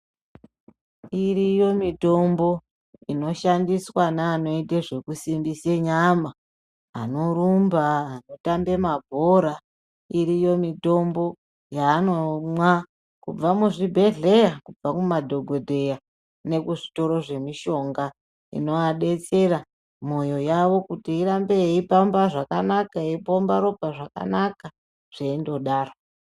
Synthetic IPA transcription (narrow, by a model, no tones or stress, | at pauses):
irijo̞mito̞mbo̞ | ino̞ʃandiswanaːno̞iteʐe̞kusimbiseɲama | ano̞ɾumbaːno̞tambe̞mabʱo̞ɾa | iɾijo̞mito̞mbo̞ | jaːnomwa | kub͡vamuʐibʱe̞ɮe̞jakub͡vakumadʱo̞ɡʱo̞dʱe̞ja | ne̞kuʐito̞ɾo̞ʐe̞miʃo̞ŋɡa | ḭno̞aɗe̞t͡se̞ɾa | mo̞jo̞jaʋo̞kutiːɾambeipambaʐakanakaeipombaɾo̞paʐaka̰naka | ʐ̥eindo̞ɗaːro